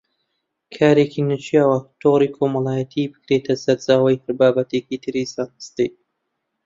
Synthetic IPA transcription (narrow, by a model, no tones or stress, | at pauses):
kʰaːɾeːkiːnɨt͡ʃijawɐt̪ʰoːɾiːkʰoːmɐlˠaːjɐt̪ʰibɨkɾet̪ʰɐsɐɾt͡saːwɐjhɐɾbaːbɐt̪ʰeːkit̪ʰɨɾiːsaːnɨst̪ɨj